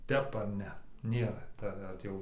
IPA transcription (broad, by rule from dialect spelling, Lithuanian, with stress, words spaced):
ˈtʲɛp ɐr ˈnʲɛ ˈnʲeːrɐ ˈtɐ ˈʋɐt jɛʊ